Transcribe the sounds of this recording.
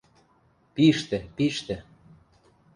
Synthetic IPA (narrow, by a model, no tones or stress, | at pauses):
piʃt̪ĕpiʃt̪ĕ